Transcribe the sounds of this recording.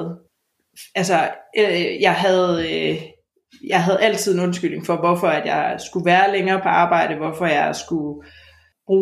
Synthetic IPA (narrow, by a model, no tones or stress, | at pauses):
ælsɐ | jɑ̈ɪɦæðˠ | jɑ̈ɪɦæð̞̩ˠæl̰t͡sʰið̞̰ˠe̝nɔ̽nsɡ̥yl̰ne̝ŋfɒ̽ʋɒfɒ̽æd̥jɑ̈ɪsɡ̥uʋæːɐleŋɐːpʰɒ̽ʔɑ̈ːb̥ɑ̈ɪ̰ɾ̥əʋɒfɒ̽jɑ̈ɪsɡ̥u | b̥ʁuː